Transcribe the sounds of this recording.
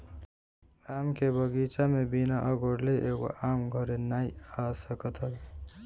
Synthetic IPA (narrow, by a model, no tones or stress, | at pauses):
amkebʱʌɡit͡ʃamebinaʔʌɡʱoɽleʔeko̰amɡʱʌɾenajasʌkʌt̪ʰʌl